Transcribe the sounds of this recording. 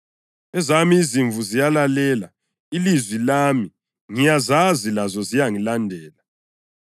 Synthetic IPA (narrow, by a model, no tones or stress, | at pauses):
ɛzamiːziɱvʱuzijalalɛːla̰ | ilizwilaːmi | ŋijazazilazɔzijaŋilandʱɛːla